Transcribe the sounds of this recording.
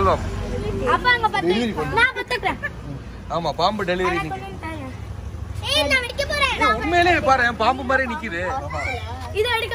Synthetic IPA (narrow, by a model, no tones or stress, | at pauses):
lʋaːmaɐpːãɐŋɡɐpɐːɾnnãːpɐt̪ːɯkɾẽː | aːmaːpaːmbɯɖɛlɪʋɐɾinɪk | enãːʋɪɽɪkʲːɐpoːɾãːnãːmeːlepaːɾẽpaːmbɯmaːd̪ɾinɪkʲːɪɾɯ | ɪðɐ̃ʋɛɽɪkː